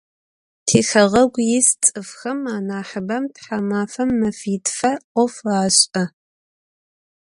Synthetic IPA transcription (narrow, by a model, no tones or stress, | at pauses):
tʰeːxɐʁɐɡʷjɪst͡sʼɨfxɐmaːnaːħəbɐmtħamaːfɐmːɐfiːtʰfɐqʷɔfraːɕʼɐ